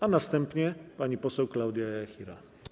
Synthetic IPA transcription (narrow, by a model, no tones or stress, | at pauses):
anast̪ɛmpɲɛpaɲipɔsɛwklawd̪ʲjajaxʲiɾa̰